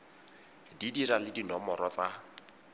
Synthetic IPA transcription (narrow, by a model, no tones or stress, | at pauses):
didiralɪdinɔmɔrɔt͡sa